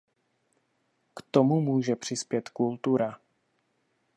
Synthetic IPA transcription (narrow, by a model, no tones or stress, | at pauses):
kt̪o̞mumuːʒɛpr̝̥ɪspjɛt̪kult̪uɾa